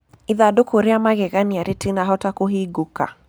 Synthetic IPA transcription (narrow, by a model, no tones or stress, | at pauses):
iðadʊkuɾiamaɣɛɣaniaɾʔitinaɦɔtakuɦiɡuka̰